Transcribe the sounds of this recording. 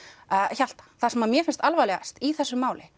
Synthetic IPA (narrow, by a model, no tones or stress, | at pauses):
çal̥t̪ḁθasɛmaðmjɛfɪnst̪alvajlɛɣa̰st̪iθɛsːʏmaːwlɪ̰